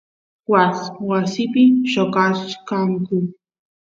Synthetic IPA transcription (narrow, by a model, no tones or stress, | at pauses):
waswasɪpɪʃokakaŋkʊ